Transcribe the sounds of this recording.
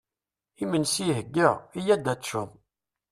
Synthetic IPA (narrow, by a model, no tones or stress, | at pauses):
imənsiɦəɡːəʁijæd̪ːæt͡sːʊð